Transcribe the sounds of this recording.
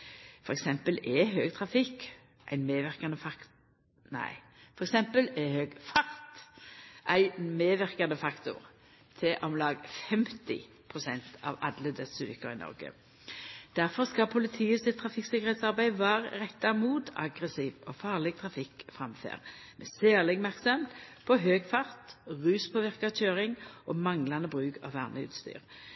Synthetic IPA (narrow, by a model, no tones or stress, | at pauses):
fɔɾɛksɛmpəlɛɦøːɡ̚t̪ʰʁɑfɪk | ʔæ̰ɪnmeːʋɪʁkɑnəfɑ | næ̰ɪ | fɔɾɛksɛmpəlɛhøːɡfɑʁt̪ʔæɪmeːʋɪʁkɑnəfɑkt̪ʊ̰ʁ | t̪ʰɪʔɔmlɑːɡfɛmt̪ɪ̰ | pʰʁʊsɛnt̪ʰɑ̰ʋɑ̰d̪ləd̪ɛsʉlɪkəɾɪnɔ̰ʁɡə̰ | d̪̥æʁfɔʁskɑpʰʊlɪt̪ʰiːəsɪt̪ʰːʁɑfɪksɪkːəʁɛːt̪sɑʁbæɪʋɑːʁʁɛt̪ːɑmuːt̪ʰɑ̰ɡʁəsiːʋɔfɑːʁlɛɡ̚t̪ʰʁɑfɪkfʁɑmfø̰ːʁmɛsæːʁlɪɡmæʁksɑmpʰɔɦøːɡfɑʁt̪ʁʉːspʰɔːʋɪʁkɑc͡çøːʁɪŋʔɔmɑŋlɑnəbʁʉːkʰɑ̰ʋʋæ̰ʁnəʉ̰ːt̪st̪y̰ːʁ